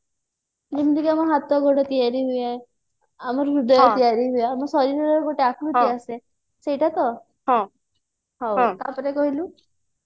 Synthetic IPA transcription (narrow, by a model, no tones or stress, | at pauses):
limd̪ikamɔɦat̪ɔɡʱɔɽɔt̪ijaɾiɦujae | amɔɾɾud̪ajjɔt̪ijaɾiɦujamɔsɔɾiɾɔɾɔɾkoʈeakʰlut̪iase | sejʈʰat̪ɔ | ɦã | ɦaw̃t̪apɔɾekɔɦilũ